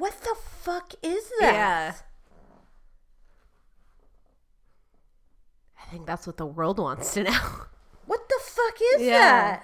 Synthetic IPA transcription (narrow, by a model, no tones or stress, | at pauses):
wʌt̪̚ðəfʌkɪzðææ | aɪθɪ̃ŋk̚ðætswʌt̪̚ðəwɜ˞lˠd̚wɑ̰̃ntstʰɨnoʊ | wʌt̪̚ðəfʌkɪzjjææt̚